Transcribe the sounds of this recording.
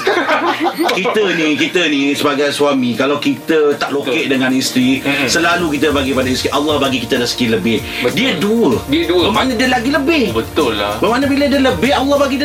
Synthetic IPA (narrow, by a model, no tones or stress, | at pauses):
kit̪ənĩkit̪ənĩsəbaɡajsuamĩkalawkit̪ət̪aʔlokeʔdəŋãnist̪ɾisəlalukit̪əbaɡipadaist̪ɾiʔalːɑhbaɡikit̪ədəsə̥kiləbɪh | diəduldiədubəmanədiəlaɡiləbɪhbət̪ʊlbəmanəbilədiələbɪhalːɑhbaɡid